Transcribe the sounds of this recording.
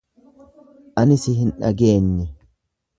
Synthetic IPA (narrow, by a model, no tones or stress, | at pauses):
ʔɐnɪsɪɦɪnᶑɐ̰ɡe̞ːnːɪ